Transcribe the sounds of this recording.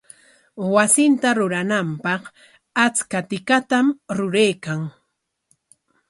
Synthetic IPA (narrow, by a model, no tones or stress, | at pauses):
wasɪnt̪aɾʊɾanampɑq | at͡skat̪ɪkat̪amɾʊɾejkaŋ